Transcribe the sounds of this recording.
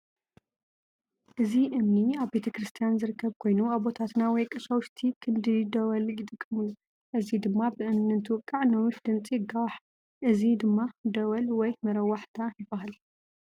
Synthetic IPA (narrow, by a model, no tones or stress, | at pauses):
ʔɨziʔɨmniaβbe̞t̪ʰɐkɾɨst̪ʰijanzɨɾɨkːɐβkʰo̞jnuaβot̪ʰat̪nawɔjkʼɐʃawʊʃt̪ʰikʰɨnd̪ɨd̪ɐwɐljɪt̪ʼɨkʼːɨmɨlu | ʔɨzid̪ɨmːabɨʔɨmnɨnt̪ʰɨwɨkʼːaʕnɐwʊʃd̪ɨnt͡sʼiɡawħ | ʔɨzid̪ɨmːad̪ɐwɐlwɔjmɐɾɐwːaħt̪ʰajɪbɐɦal